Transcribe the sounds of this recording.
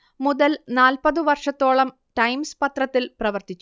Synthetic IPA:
muðɐlnaːlpɐðɨʋɐrʂɐt̪ːo̞ːɭɐm | ʈɐjmspɐt̪rɐt̪ːilprɐʋɐrt̪it͡ɕːu

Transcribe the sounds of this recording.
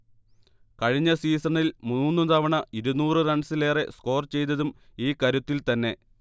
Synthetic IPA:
kɐɻiɲːɐsiːsɐɳilmunːuːnːut̪ɐʋɐɳɐiɾunuːrɨɾɐɳsile̞ːresko̞ːrt͡ɕe̞jt̪ːɐðumiːkɐɾut̪ːilt̪ɐnːe̞

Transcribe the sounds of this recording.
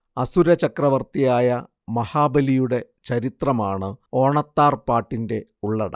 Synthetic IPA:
ɐsuɾɐt͡ɕɐkrɐʋɐrt̪ijaːjɐ | mɐhaːbɐlijuɽe̞ | t͡ɕɐɾit̪rɐmaːɳɨo̞ːɳɐt̪ːaːrpaːʈːinde̞uɭːɐɽɐ̰

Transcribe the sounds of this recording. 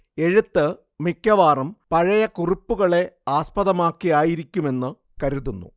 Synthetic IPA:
e̞ɻut̪ːɨ | mikʲːɐʋaːrɐmpɐɻɐjɐkuripːuɣɐɭe̞aːspɐðɐmaːkːijaːjiɾikʲːume̞nːɨ | kɐɾuðunːṵ

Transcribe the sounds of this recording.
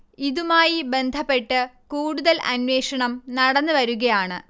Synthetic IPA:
iðumaːjibe̞nd̪ʱɐpːe̞ʈːɨkuːɽuðɐlʔɐ̰nʋeːʂɐɳɐmnɐɽɐnːɨʋɐɾuɣɐjaːɳɨ

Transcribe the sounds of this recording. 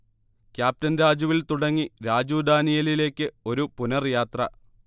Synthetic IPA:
kʲjaːp̚tɐnɾaːd͡ʑuʋilt̪uɽɐŋːiɾaːd͡ʑuːd̪aːnijɐlile̞ːkʲːɨo̞ɾupunɐrjaːt̪rɐ

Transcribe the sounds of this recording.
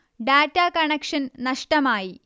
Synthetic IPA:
ɖaːtːaːkɐɳekʂɐnnɐʂʈɐmaːji

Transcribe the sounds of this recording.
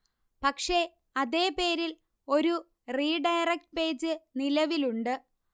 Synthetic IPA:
pɐkʂe̞ | ɐðe̞ːpe̞ːɾil | o̞ɾu | riːɖɐjrek̚ʈ̚pe̞ːd͡ʑɨnilɐʋiluɳɖɨ

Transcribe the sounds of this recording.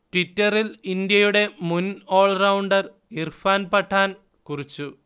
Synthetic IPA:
ʈwitːɐrilind̪jɐjuɽe̞muno̞ːɭrɐwɳɖɐr | irfaːnpɐʈʰːaːn | kurit͡ɕːu

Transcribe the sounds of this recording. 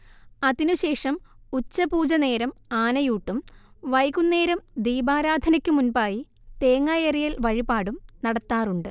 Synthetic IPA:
ɐðinuɕe̞ːʂɐmut͡ɕːɐbuːd͡ʑɐne̞ːɾɐmaːnɐjuːʈːumʋɐjkunːe̞ːɾɐmd̪iːbaːɾaːd̪ʱɐnɐkʲːumunbaːji | t̪eːŋːaːjɐrijɐlʋɐɻibaːɽumnɐɽɐt̪ːaːruɳɖɨ

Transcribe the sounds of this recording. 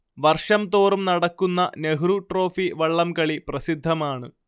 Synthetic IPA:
ʋɐrʂɐmt̪o̞ːrumnɐɽɐkːunːɐneɦɾuʈro̞ːfiʋɐɭːɐmkɐɭiprɐsid̪ʱːɐmaːɳɨ

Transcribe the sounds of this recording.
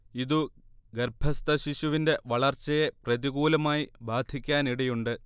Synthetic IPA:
iðuɡerbʱɐst̪ɐɕiɕuʋinde̞ʋɐɭɐrt͡ɕːɐje̞prɐðiɣuːlɐmaːjibʱaːd̪ʱikʲːaːniɽejuɳɖɨ

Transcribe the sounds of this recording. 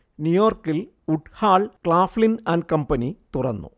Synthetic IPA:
njujoːrkil | uʈhaːɭkɭaːflinɐnkɐmpɐnit̪urɐ̰nːṵ

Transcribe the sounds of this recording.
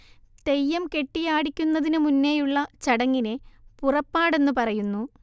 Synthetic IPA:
t̪e̞jːɐmke̞ʈːijaːɽikʲːunːɐðinɨmunːejuɭːɐt͡ɕɐɽɐŋːinepurɐpːaːɽe̞nːupɐrɐjunːu

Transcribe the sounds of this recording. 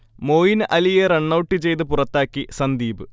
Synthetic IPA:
mo̞ːjinʔɐlijereɳːɐwʈːit͡ɕe̞jt̪̬ɨpurɐt̪ːaːkːisɐnd̪iːbɨ

